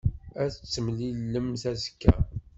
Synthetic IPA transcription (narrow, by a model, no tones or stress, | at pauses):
æθt͡sːəmlilːəmθæzə̥kːæ̰